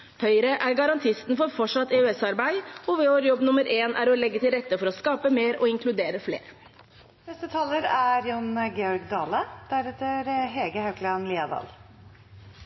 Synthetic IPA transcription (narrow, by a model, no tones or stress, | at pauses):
hœʏəɾəʔæɾɡɑɾɑnt̪ʰɪst̪n̩fɔɾfɔʂɑt̪ːɛʉɛsɑɾbæɪɔʋɛoːʋɾjɔbnʊməɾʔeːnʔæ̰ɾɔlɛɡːət̪ɪlɾɛt̪ːəfɔɾɔskɑːpəmeːɾɔ̰ɪŋkʰlʉd̪eːɾəflḛːɾ | nɛst̪ət̪ʰɑːləɾæɾjɑnɡeːɔɾɡd̪ɑːləd̪̥æɾɛt̪əɾɦɛːɡəhɑʉklɑnliːɑd̪ɑ̰ːl